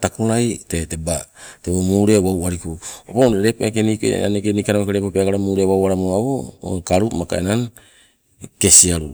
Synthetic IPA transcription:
takoɾajtete̞bateβomuːɾe̞wawaɾikuopoeɾepoʔekeniko̰a̰nekenikanamokeɾe̞popeaɡaɾamuɾewawaɾamoaβo̰ŋkaɾumaka̰enaŋ | ke̞siaɾṵ

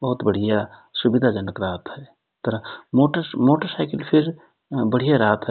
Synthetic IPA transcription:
bəɦut̪bəɽ̤ijasubid̪ʱad͡ʒənəkɾaːt̪ʰɦɛ | t̪əɾamoʈəmoːʈəɾsaɪkəlpʰiɾ | bəɽ̤ijaɾaːt̪ʰɦɛ

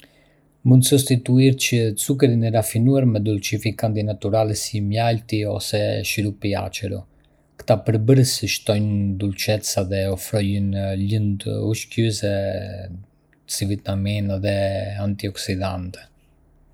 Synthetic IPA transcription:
mund̪sus̬t̪it̪uiɾt͡ɕət͡sukəɾinɛɾafinuaɾmɛd̪ult͡ʃifikant̪inat̪uɾalɛsimjalt̪iɔ̰sɛʃiɾupia̰t͡ʃɛɾṵ | kt̪apəɾbəɾəsiʃt̪ɔjnd̪ult͡ʃɛt̪saðɛɔfɾɔjənlənd̪uʃcysɛ | sivit̪naminaðɛant̪iɔksid̪ant̪ɛ̥

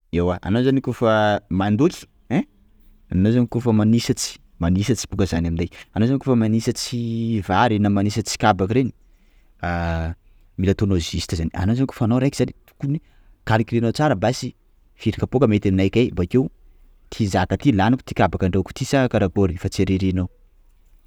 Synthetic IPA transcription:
ewaʔa̰nozanikofamand̪ukʲi̥ | ɛ | anozanikofəmanisat͡si̥ | manisat͡si̥bukəzanaminajanowzanikofəmanisət͡sivaɾenamanisət͡si̥kabakɾeni̥ | a | milat̪onozist̪zania̰nozaniko̥fanowɾajkizanit̪u̥kuni | kalikiɾenowt͡saɾəbasi | fiɾikapokəmet̪aminakʲajmbakew | t̪ʰizat̪at̪ilanaku̥t̪i̥kabakaɳɖ͡ʐeku̥t̪isakaɾaɡoɾifat͡seɾeɾenaw

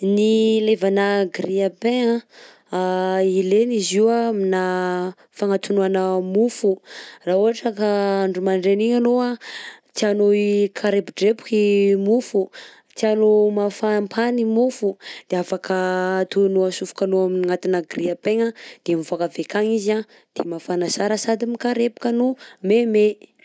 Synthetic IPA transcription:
nilevanaɡriapeŋə | aileniziwamina | faŋat̪unuanəmufurauɦaʈ͡ʂəkaaɳɖ͡ʐumaɳɖ͡ʐeniɲanoat͡s̪ianoikʰaɾebiɖ͡ʐepu̥kimufu | t͡s̪ianomafampʰanimufud̪̥eafakʰat̪unuasufu̥kanoaminiŋat̪inaɡriapeŋəd̪̥emivakəvekaŋiza | d̪̥emafanasaɾəsad̪imikaɾepu̥kənumeme

